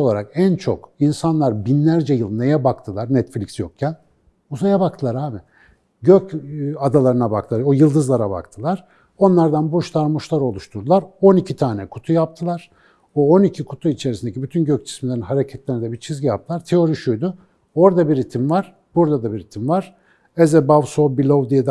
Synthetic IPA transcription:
o̞lˠaɾakænt͡ʃʰo̞̰kinsanlˠaɾbinlʲæɾd͡ʒɛjɯlˠne̞jɛbakt̪ʰɯlˠaɾnɛt̪flʲicsjok̚cʰæn | uzajabakt̪ʰɯlˠaɾaːbɪ | ɟøcad̪alˠaɾɯnabak̚t̪ʰɯlˠaojɯlˠd̪ɯzlˠaɾaba̰kt̪ʰɯlˠaɾ̥ | o̞nlˠaɾd̪anbuʃlˠaɾmuʃlˠaɾo̞lˠuʃt̪ʰuɾd̪ulˠaɾo̞nicʰit̪ʰaːnɛkʰu̥t̪ʰujap̚t̪ʰɯlˠaɾ̥ | oonicʰikʰut̪ʰuit͡ʃʰe̞ɾisind̪ecʰibyt̪ʰynɟøc̚t͡ʃʰi̥smilʲe̞ɾinɦaɾecʰɛt̪lʲeɾnd̪ɛbit͡ʃʰizɟijap̚t̪ʰɯlˠaɾt̪ʰe̞o̞ɾiʃujd̪ʊ | o̞ɾd̪abiɾit̪ʰimvaɾ̥ | b̥uɾd̪ad̪abiɾit̪ʰimvaɾ̥ | ezɛbavsobilʲo̞vd̪ijed̪

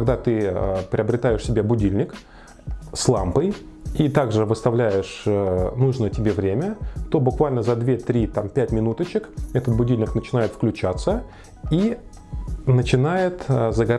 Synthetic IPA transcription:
kɐɡd̪at̪ɨəpɾʲɪəbɾʲɪt̪ajɪʂsʲɪbʲebʊdʲilʲnʲɪk | slˠampɨj | it̪aɡʐɨvɨst̪ɐvlʲæjɪʂnuʐnəjətʲɪbʲevɾʲemʲət̪o̞bʊkvalʲnəzɐd̪vʲet̪ɾʲit̪ampʲætʲmʲɪnut̪ət͡ɕɪkɛt̪ət̪̚bʊdʲilʲnʲɪknət͡ɕɪnajɪt̪fklʲʉt͡ɕat̪sə | i | nət͡ɕɪnajɪt̪əzəɡɐ

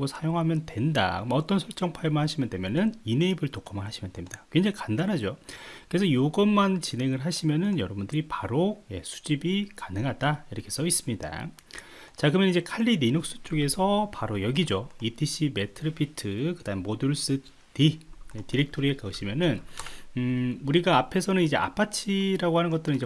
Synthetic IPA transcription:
ɡosʰajoŋɦamjʌndwe̞nda̰kmaʌt͈ʌnsʰʌɭt͡ɕ͈ʌŋpʰajmɯnɦaɕʰimjʌnde̞mjʌnɯnine̞ibɯɭtokʰʌmɯɭɦaɕʰimjʌndemɲidakwend͡ʑeikandanɦad͡ʑokɯɾesʰʌjoɡʌnmant͡ɕine̞ŋɯɭɦaɕʰimjʌnɯnjʌɾʌbundɯɾipaɾoje̞sʰu̥d͡ʑibikanɯŋɦadaiɾʌkʰe̞s͈ʌis͈ɯmɲida̰ | t͡ɕakɯmjʌnid͡ʑe̞kʰaʎːineɲok̚s͈u̥t͡ɕ͈oɡe̞sʰʌpaɾojʌɡid͡ʑoitʰiɕ͈ʰime̞tʰɯɾɯpʰitʰɯkɯdaɯmːoduɭs͈ɯ | tijetiɾe̞k̚tʰoɾiekaɯɕʰimjʌnɯn | uɾiɡaːpʰe̞sʰʌnɯnid͡ʑe̞ʔa̰pʰat͡ɕʰiɾaɡoɦhanɯnɡʌt͈ɯɾɯnid͡ʑe

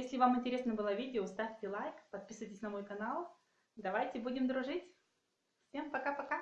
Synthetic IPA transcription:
jesʲlʲɪvamɪnʲtʲɪɾʲe̞snəbɨlˠəvʲidʲɪost̪afʲtʲɪlˠajkpɐt̪̚pʲisɨvətʲɪsʲnɐmo̞jkɐnalˠ | d̪ɐvajtʲɪbudʲɪmd̪ɾʊʐɨtʲ | fʲempɐkapɐka

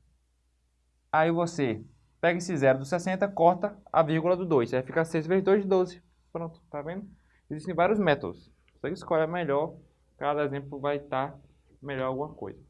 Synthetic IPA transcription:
aivose | pɛɡɐesɪzɛɾʊd̪ʊsɛsẽnt̪ɐkɔɾt̪ɐa̰viɾɡʊlɐd̪ʊd̪ojsafikasejzved̪ojzɪd̪ozɪ | pɾõt̪ʊ̥t̪avẽd̪ʊ | eziʃt̪ẽvaɾiʊzmɛt̪o̰d̪ʊs | vosekɪiskɔʎɐmɛʎɔɾ | kad̪ɐezẽplʊvajt̪aɾ | mɛʎɔɾawɡũmɐko̰jzɐ

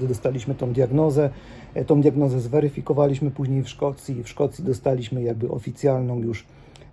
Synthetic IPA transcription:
d̪ɘd̪ɔst̪alʲiɕmɘt̪ɔ̃w̃d̪jaɡnɔzɛ | t̪ɔ̃w̃d̪ʲjaɡnɔzɛzvɛɾɘfʲikɔvalʲiɕmɘpuʑɲejfʂkɔt̪sʲifʂkɔt̪sʲid̪ɔst̪alʲiɕmɘjaɡ̚bɘʔɔ̰fʲit̪sʲjalnɔ̃w̃juʂ

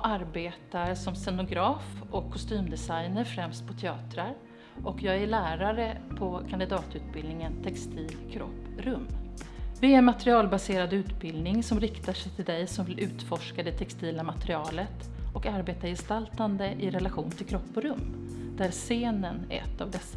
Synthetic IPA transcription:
aɾbeːt̪aɾsɔmsɛnʊɡɾɑːfɔkʰːɔst̪yːmd̪ɛsajnəɾfɾɛmst̪̚pʰɔt̪ʰɛɑːt̪ɾaɾ | ʔɔkʰjɑːɡæɭæːɾaɾəpʰɔkʰand̪ɪd̪ɑːt̪ʉ̟ːt̪̚bɪlnɪŋənt̪ʰɛkst̪ʰiːlkʰɾɔ̰pːɾɵmː | vɪæɾmat̪ɾɪɑːlbaseːɾad̪ʉ̟ːt̪bɪld̪nɪŋsɔmɾɪkt̪aʂɛjt̪ʰɪld̪ɛjsɔmvɪlʔʉ̟ːt̪fɔʂkad̪ɛt̪ʰɛkst̪iːlamat̪ɾɪɑːlət̪ | ɔkaɾbeːt̪aɾjɛst̪alt̪and̪əʔɪɾɛlaɧṵːnt̪ʰɪlkʰɾɔpːɔɾɵmː | d̪æɾseːnənɛ̰t̪ːavd̪ɛsːa

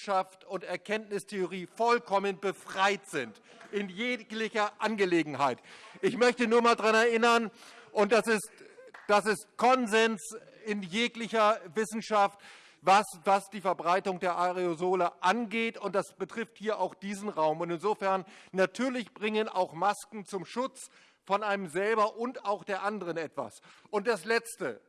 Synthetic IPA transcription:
ʃaftʊntɛɐkʰɛntnɪstʰeʊʁ̞iːfɔlkʰɔmənbəfʁ̥aɪtz̥ɪnt | ʔɪnjeːklɪçɐʔanɡəleːɡŋ̩hɦaɪtʔɪçmœçtənuːɐmaːldʁanɛɐʔɪnɐnʔʊnt̚d̥asɪstd̥asɪst̚kʰɔnzɛns | ɪnjeːklɪçɐvɪsn̩ʃaft | vasvasd̥iːfɛɐbʁaɪtʊŋdeːɐʔaʁeozoːləʔanɡeːtʊnt̚d̥asb̥ətʁ̥ɪfthiːɐʔaʊxd̥iːzn̩ʁaʊmʊntɪnzoːfɛɐnːatʰyːɐlɪçb̥ʁɪŋəna̰ʊxmaskŋ̩t͡sʊmʃʊt͡s | fɔnaɪnəmzɛlbɐʔʊntaʊxd̥eːɐʔandəʁənɛtv̥a̰sʊnt̚d̥aslɛt͡stə

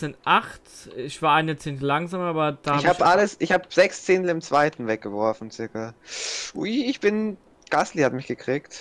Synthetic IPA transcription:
zɪnʔaχtɪçv̥aːɐʔaɪnɐt͡seːntəlaŋzaːmʔaːbɐd̥aːhaçhaːbʔaləsʔɪçhaːbz̥ɛkst͡seːntl̩ɪmt͡sv̥aɪtn̩vɛk̚ɡ̥əvɔɐfn̩t͡sɪɐkɐʔuiɪçb̥ɪn | ɡ̥aslihatmɪçɡ̥əkʁ̥iːkt

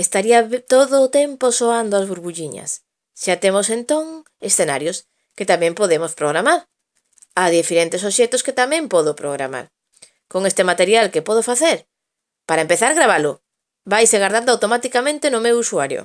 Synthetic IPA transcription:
est̪aɾiat̪oðʊːt̪emposoand̪oazβuɾβuʎiɲɐ̰s | ʃat̪emosent̪oŋ | esθenaɾjʊs | ket̪amɛ̃mpoðemʊspɾoɣ̞ɾamaɾ | aðifeɾent̪esoʃɛt̪ʊsket̪amɛ̃mpɔðʊpɾoɣ̞ɾa̰ma̰ɾ | koŋest̪emat̪eɾjalkepɔð̞ofaθeɾ | paɾaempeθaɾɣɾaβalʊ | βajseɣaɾðand̪awt̪omat̪ikamẽnt̪ɪnʊmewusuaɾjo̰

